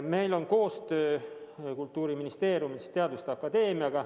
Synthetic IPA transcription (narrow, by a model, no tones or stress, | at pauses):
me̞jlo̞nko̞ːst̪ø̞ːkult̪ːˑuːɾiminist̪e̞ːɾjumist̪eɑd̪ust̪eɑkːɑd̪e̞ːmijɑɡ̥ɑ